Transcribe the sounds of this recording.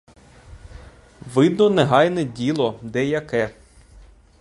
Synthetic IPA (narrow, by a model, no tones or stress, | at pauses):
ʋɪd̪nɔnɛɦɑjnɛdʲilˠɔd̪ɛjɐkɛ